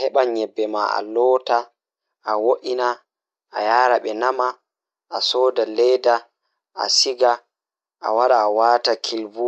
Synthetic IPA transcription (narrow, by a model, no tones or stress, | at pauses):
hɛɓaɲɛbːɛma̰a̰lɔːta | ʔawoʔina | ʔa̰jaːɾaɓɛnama | ʔasɔːdalɛjda | a̰siɡa | ʔa̰waɗaːwaːtakʰilbu